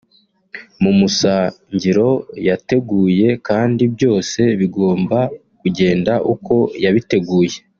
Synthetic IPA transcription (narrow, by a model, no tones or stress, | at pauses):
mumusaɲɟiɾo̞jate̞ɡuːje̞kaːndibjo̞ːse̞βiɡo̞ːmba | kuɟe̞ːndaʔuko̞jaβite̞ɡuːje̞